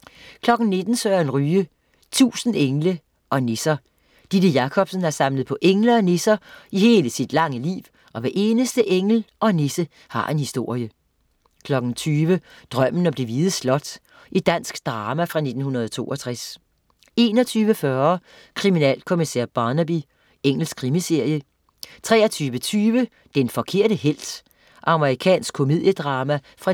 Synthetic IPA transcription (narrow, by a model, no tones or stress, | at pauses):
kʰlɒ̽ɡ̥n̩ne̝d̥n̩søːɐenʁyːə | t͡sʰṵːsn̩eŋlə | ʔɒ̽ne̝sɐ | d̥id̥əjɑ̈kʰɒ̽b̥sən̩æsɑ̈mləð̞̩ˠpʰɒ̽ʔeŋləɒ̽nesɐihe̝ːləsid̥lɑ̈ŋəlḭːʋ | ɒ̽ʋæɐʔe̝ːnəsd̥əʔeŋ̰l̩ɒ̽nesə | hɑ̈ʔe̝nhisd̥o̝ɐ̰jə | kʰlɒ̽ɡ̥n̩t͡sʰyːʋəd̥ʁɶm̰n̩ɒ̽b̥le̝ʋiːð̩ˠslɒ̽d̥ | ʔid̥æn̰sɡ̥d̥ʁɑːmæfʁɑ̈ne̝d̥n̩hunɐð̞ˠɒt͡sʰo̝̰ːʔɒ̽t͡sʰʁas | e̝ːnɒt͡sʰyːʋəfɶɐ | kʰʁiminɛ̰ːlkʰo̝misɛ̰ɐb̥ɑ̈ːnæb̥i | eŋ̰l̩skʰʁimise̝ɐ̰jə | t͡sʰʁɛːɐt͡sʰyːʋət͡sʰyːʋə | d̥enfɒ̽kʰe̝ɐ̰ɾ̥əhel̰d̥ | ʔɑ̈məʁikʰɛ̰ːnsɡ̥̚kʰo̝mið̰ˠjəd̥ʁɑ̈ːmæ | fʁɑ̈